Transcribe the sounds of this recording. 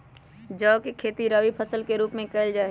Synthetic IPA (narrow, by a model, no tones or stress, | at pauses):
d͡ʒɔːkekʰeːt̪iɾəʋipʰəsəlkeɾuːpmẽkɐɪld͡ʒaːe